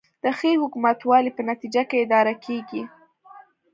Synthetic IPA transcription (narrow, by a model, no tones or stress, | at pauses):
d̪̥əxehʊkumat̪wɑlipənat̪id͡ʒakeɪd̪ɑɾakʰeɡi